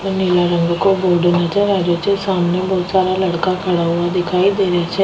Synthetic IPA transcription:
neːlaːɾəŋɡkoboːɖenat͡ʃəɾaːd͡ʒoːt͡ʃesaːmneːbɔːt̪saːɾaːləɽkaːkʰəɽaːʊaːd̪ɪkʰaːid̪eːɾɪaːt͡ʃʰɛ

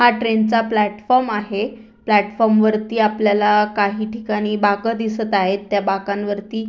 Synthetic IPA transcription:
haʈɾent͡saplæʈfɔɾmaɦe | plæʈfɔɾmʋəɾt̪iːapljalakaɦiːʈʰikaɽ̃iːbakəd̪isət̪aɦet̪ːjabakãnʋəɾt̪iː

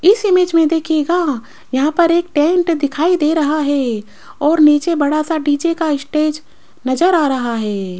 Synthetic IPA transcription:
ɪsɪmeːd͡ʒmẽd̪eːkʰeːɡa | jɐɦãpɐɾeːk̚ʈɛ̃ːɳʈd̪ɪkʰaːid̪eɾɐɦaɦɛː | ɔːɾniːt͡ʃebɐɽasaɖiːt͡ʃekaɪsʈeːd͡ʒ | nɐzəɾaːɾɐɦaɦɛː

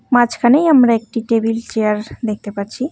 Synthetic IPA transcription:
mãt͡ʃkʰanəjɦəmɾaek̚ʈiʈebilt͡ʃejəɾd̪ek̚ʰt̪epəɾt͡ʃʰi

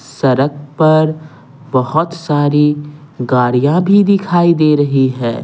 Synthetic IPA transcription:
sɐɾək̚pɐɾ | bɐɦʊt̪saːɾi | ɡaːɽijãbʱid̪ɪkʰaːid̪eːɾɐɦiɦɛː

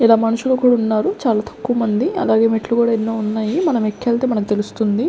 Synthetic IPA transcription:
ilaːmɐnɐʃulɐkuːɽaunːaːɾut͡ʃaːlaːt̪ʰɐ̥kːuʋɐmɐnd̪iɐ̰laːɡe̞ːmiʈlukuːɽaːenːoːunːaːjimɐnɐmekʰːeːlt̪eːmɐnɐk̬ut̪e̞lust̪und̪i

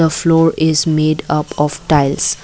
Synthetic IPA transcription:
əflɔːɹɪzmeɖapɔfʈaɪls

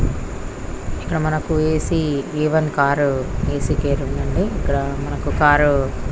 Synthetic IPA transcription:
ikːɐɽɐmɐnɐkueːsiiːʋɐnkaːɾue̞ːsikeːɾundɐɳɖiːkːɐɽɐmɐnɐkukaːɾu

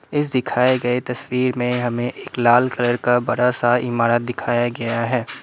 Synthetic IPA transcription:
ɪs̬d̪ɪkʰaːeɡɐet̪ɐswiːɾmẽɦɐmẽʔeːklaːlkɐləɾkabɐɾasaɪmaːɾət̪̚d̪ɪkʰaːjaɡɐjaɦɛː

